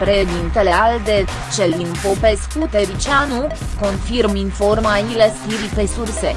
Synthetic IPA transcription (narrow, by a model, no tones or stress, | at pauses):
pɾeʃd̪int̪ele̞ald̪e | t͡ʃelinpope̞skut̪e̞ɾit͡ʃanu | ko̞nfirminfo̞rmailest̪iɾipesurse